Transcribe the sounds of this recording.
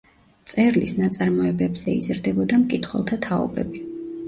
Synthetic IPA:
t̪sʼɛɾlisnat̪sʼaɾmɔɛbɛbz̥ɛḭzɾd̪ɛbɔd̪amkʼit̪ʰχwɛ̰lˠt̪ʰat̪ʰaɔ̰bɛ̰bi

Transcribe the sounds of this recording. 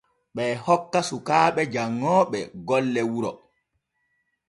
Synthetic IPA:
ɓɛːhɔkːasukaːɓɛd͡ʒaŋːɔːɓɛ̰ɡɔlːɛwuɾɔ

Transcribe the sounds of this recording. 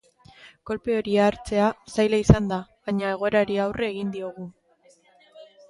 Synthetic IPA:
ko̞lpeo̞ɾiaɾt͡se̞asajlaisand̪aβaɲae̞ɣ̞o̞eɾaɾiawrʔeːɣind̪io̞ɣ̞u

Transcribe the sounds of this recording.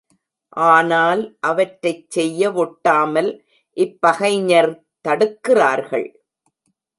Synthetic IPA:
ʔaːnaːlʔɐʋɐʈɾɐɪt͡ʃsɛjːɐʋɔʈːaːmɐl | ʔɪpːɐɣɐɪɲɐɾ | t̪ɐɽɯkːɪraːɾɣɐ̰ɭ

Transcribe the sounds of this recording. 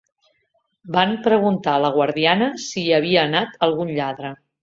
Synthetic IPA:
bampɾəɣ̞unt̪aləɣ̞wəɾðianəsiːəβ̞iəːnat̪ʰəlˠɣunʎaðɾə

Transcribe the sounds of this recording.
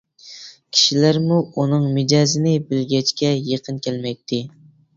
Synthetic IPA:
kʲʰi̥ʃilæɾmuunɨŋmɪd͡ʒɑzɪnɪbɪlɡʲɛt͡ʃkʲɛjeqʰənkʲʰælmɛj̚t̪ʰːɪ

